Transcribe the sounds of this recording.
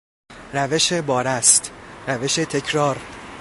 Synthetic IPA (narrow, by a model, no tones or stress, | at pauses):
ɾæve̞ʃe̞bɒːɾæst̪ɾæve̞ʃe̞t̪ʰe̞cʰɾɒːɾ